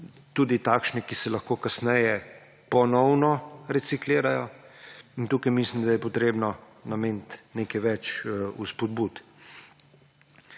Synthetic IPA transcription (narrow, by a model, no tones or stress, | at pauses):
t̪uːd̪it̪akʃnɛkisɛlɐxkoːkasnɛjɛ | pɔnɔwnɔɾɛsikleːɾajɔ | int̪uːkajmislimd̪ajɛpɔt̪ɾeːbnɔ | nameːnt̪nekɛʋɛt͡ʃuspɔd̪but̪